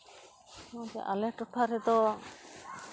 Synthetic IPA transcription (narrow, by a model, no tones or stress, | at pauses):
ãt̪ɛ̰ʔalɛʈɔʈʰaɾɛd̪ɔ